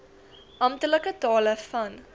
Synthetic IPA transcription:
ʔɐmtələkətɑːləfɐn

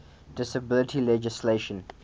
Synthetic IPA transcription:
d̥ɪsəbɪlətʰilɛd͡ʒɪsleʃə̃n

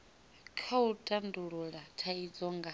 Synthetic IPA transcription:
kʰautʼanduɺuɺatʰaid͡zɔŋɡa

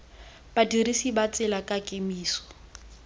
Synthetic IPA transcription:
b̥adirisibat͡sʼɪlakʼakʼemiːsɔ̥

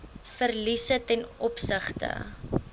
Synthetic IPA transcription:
fərlisətɛnɔpsəχtə̰

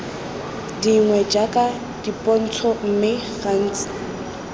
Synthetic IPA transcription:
diŋwɛd͡ʒakʼa | d̥ipʼɔn̩t͡sʰɔm̩mɪχan̩ːt͡sɪ̥

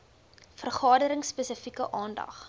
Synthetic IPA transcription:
fərχɑːdəɾəŋsːpesəfikəʔɑːndɐ̰χ

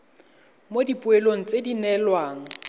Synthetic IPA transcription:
modipʼʊeloŋ̩t͡sʼedinɛlwaːŋ̩

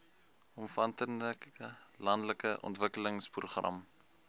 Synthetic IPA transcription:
ɔmfɐntənəkəlɐndləkəʔɔ̰ntvəkələŋspruχrɐ̰m

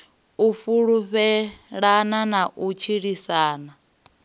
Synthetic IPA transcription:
ufuɺuɸɛɺananaʔut͡ʃʰiɺisaːna

